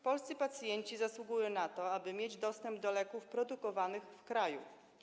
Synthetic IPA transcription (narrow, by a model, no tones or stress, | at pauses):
pɔlst̪ɘpat̪sjɛɲt͡ɕizaswuɡujɔ̃nat̪ɔabɘmʲjed͡ʑd̪ɔst̪ɛmbd̪ɔlɛkufpɾɔd̪ukɔvanɘxfkɾajṵ